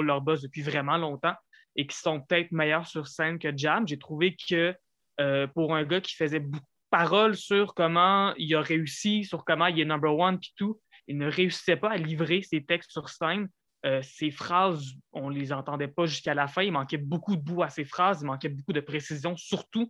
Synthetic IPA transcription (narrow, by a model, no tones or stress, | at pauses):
lœʁbɔzd̪əpɥivʁɛmɑ̃lɔ̃t̪ɑ̃ | ekʲi̥sɔ̃pə̥t̪ɛt̪χmɛjœːʁsyʁsɛnkʲəd͡ʒamʒet̪χuvekʰəː | puʁœ̃ɡakʲi̥fəzɛbukud̪̥̚paʁɔlsyʁkɔmɑ̃ilaʁeysisyʁkɔmɑ̃ilɛnɔ̃mbœʁwʌnpi̥t̪u | ilnəʁeysi̥sɛpaalivʁeset̪ɛkst̪syʁsɛn | øsefχaːzɔ̃lezɑ̃t̪ɑ̃d̪ɛpaʒyskalafɛ̃ilmɑ̃kʲɛbukud̪əbuasefχaːzilmɑ̃kʲɛbukud̪əpχesizjɔ̃syʁt̪u